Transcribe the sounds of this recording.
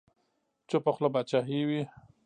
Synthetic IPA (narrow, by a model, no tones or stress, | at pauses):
t͡ʃopoxlobat͡ʃaɦiwi